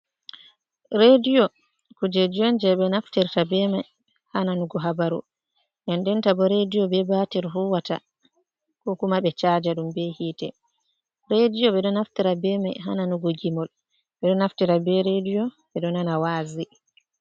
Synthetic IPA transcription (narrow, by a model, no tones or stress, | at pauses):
ɾedijɔ | kud͡ʒed͡ʒijɔnd͡ʒɛɓɛnaftiɾtabɛmaj | hananuɡɔɦabaɾṵ | nɔndɛntabɔɾedijɔbɛbatiɾɦuwata̰ | kɔkumaɓɛt͡ʃad͡ʒaɗumbɛhiːtɛ̰ | ɾedijɔɓɛɗɔnaftiɾabɛmajɦa̰nanuɡoɡimɔl | ɓɛɗɔnaftiɾabɛɾedijɔ | ɓɛɗɔnanawaːzi